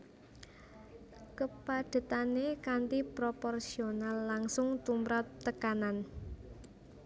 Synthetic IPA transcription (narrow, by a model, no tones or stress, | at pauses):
kəpad̪̥ə̤t̪anekant̪ipɾopɔrsionalːaŋsʊŋt̪umɾat̚t̪ːəkanan